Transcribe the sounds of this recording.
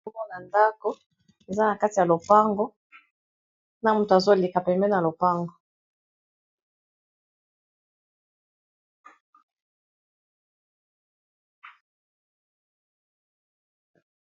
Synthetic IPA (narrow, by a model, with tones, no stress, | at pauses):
mɔ˦na˨nda˦ko˦ | e˨za˦na˨ka˦ti˨ja˨lo˨pa˦ŋɡo˦ | na˦mu˦˨to˨a˨zo˦li˨ka˨pɛ˨mbɛ˦na˨lo˨pa˦ŋɡo˨